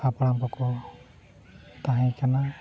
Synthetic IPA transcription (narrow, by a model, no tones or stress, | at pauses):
apalampɔkɔ | t̪aɦakana